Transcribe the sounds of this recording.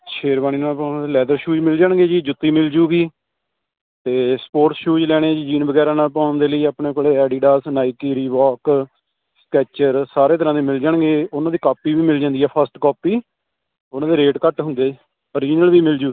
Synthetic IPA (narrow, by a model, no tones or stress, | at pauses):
ʃʰeːɾbaːniːnaːpaːñːd̪eːlɛːd̪əɾʃuːd͡ʒmɪld͡ʒaɳɡeːd͡ʒiːd͡ʒʊt̪ːiːmɪld͡ʒuːɡiː | t̪eːspoːɾʈsʃuːd͡ʒlɛːɽ̃ẽːd͡ʒiːd͡ʒiːnbəɡɛːɾãːnaːlpãːɳd̪eːləiːaːpɳeːkoleːɛːɖiːɖaːsnaːikiːɾiːʋɔːk | skɛːt͡ʃəɾsaːɾeːt̪̬əɾãːd̪iːmɪld͡ʒaɳɡeːʊnãːd̪iːkaːpiːʋiːmɪld͡ʒãːnd̪iːɛːpʰəsʈkɔːpiː | ʊnãːd̪eːɾeːʈkəʈɦʊ̃nd̪eː | əɾiːnəlʋiːmɪld͡ʒuː